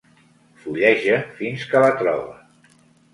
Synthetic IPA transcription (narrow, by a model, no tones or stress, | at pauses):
fuʎɛʒəfinskələt̪ɾɔ̰βə